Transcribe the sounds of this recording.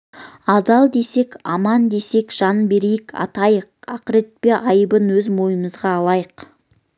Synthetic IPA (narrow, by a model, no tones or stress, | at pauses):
ɑd̪ɑlˠd̪e̞se̞kʲɑmɑnd̪e̞se̞kʒ̥ɑnbe̞ɾejɪkʰɑ̰t̪ɑjəqɑqɾet̪̚peʔɑjəbənwɵzmo̞jəməzʁɑːlˠɑjəq